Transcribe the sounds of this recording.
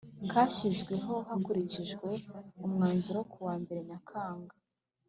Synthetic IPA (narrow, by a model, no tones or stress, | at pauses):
ŋkʰaːʃizɡwe̞ɦo̞hakuɾiciʒɡwe̞umŋaːnzuɾokuwaːmbe̞ɾe̞ɲakʰaːŋɡa